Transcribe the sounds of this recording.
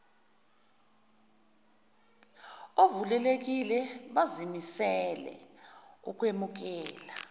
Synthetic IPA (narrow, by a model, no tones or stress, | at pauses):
ovulɛlek̬ilɛɓazimisɛlɛ̰uk̬ʼwemuk̬ɛːla